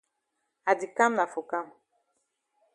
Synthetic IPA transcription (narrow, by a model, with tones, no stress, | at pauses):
a˨di˨ka˦m˦na˨fo˨ka˦m˨